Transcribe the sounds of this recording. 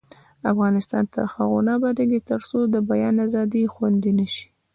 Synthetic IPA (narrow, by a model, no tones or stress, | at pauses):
afɣɑnɪst̪ɑ̰nt̪ə̰ɾxaɣonɑbadaɡet̪əɾsod̪əbajɑnazɑd̪ixwand̪inaʃi̥